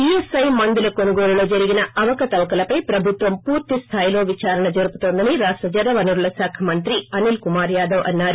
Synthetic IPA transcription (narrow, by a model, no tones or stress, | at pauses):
piesɐjmɐnd̪ilɐkonuɡoːlulo̞ːd͡ʒɐɾiɡinɐʔɐʋɐkɐt̪ɐʋkɐlɐpɐjpɾɐbʱut̪ʋɐmpuːɾt̪ist̪ʰaːjlo̞ːʋit͡ʃaːɾɐɳɐd͡ʒoɾuput̪o̞ːnd̪ɐniɾaːsʈɐd͡ʒɐd̪ɐʋɐnuɾulɐsaːkʰɐmɐnt̪ɾiɐnilkumaːɾjaːd̪ɐʋɐ̰nːaːɾu